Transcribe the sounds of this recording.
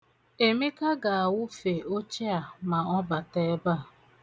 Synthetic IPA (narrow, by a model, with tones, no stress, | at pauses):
e˨mi˦ka˦ɡa˨a˨wʊ˦fe˨o˦t͡ʃe˦a˨ma˨ɔ˦ba˨te˦ba˦˨